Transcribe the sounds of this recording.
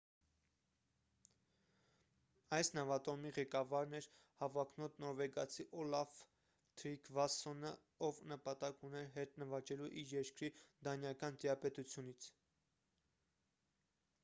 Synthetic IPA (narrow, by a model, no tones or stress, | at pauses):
ɑjsnɑvɑt̪ɔmiʁɛkɑvɑɾnɛɾ | hɑvɑkʰnɔt̪nɔɾvɛɡɑt͡sʰiʔɔlɑv | t̪ʰɾikʰvɑsɔnə | ɔvnəpɑt̪ɑkunɛɾɦɛt̪nəvɑt͡ʃɛluʔiɾjɛɾkɾid̪ɑnjɑkɑnt̪iɾɑpɛt̪ut͡sʰjunit͡sʰ